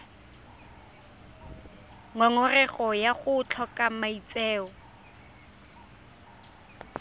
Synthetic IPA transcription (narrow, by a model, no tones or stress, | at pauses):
ŋaŋɔrɛχɔjaχʊt͡ɬʰɔkamait͡sɛːɔ